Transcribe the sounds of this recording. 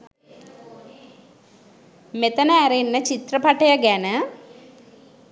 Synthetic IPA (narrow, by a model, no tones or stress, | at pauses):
met̪ɐnəæɾenːət͡ʃit̪rɐpɐʈɐjɐɡænə